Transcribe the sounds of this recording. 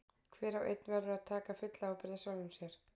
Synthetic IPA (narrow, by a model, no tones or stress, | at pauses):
kʰvɛːɾawʔḛjt̪̚nvɛɾʏaðt̪ʰaːkafʏt̪laawpɪɾðasawnʏmsjɛɾ̥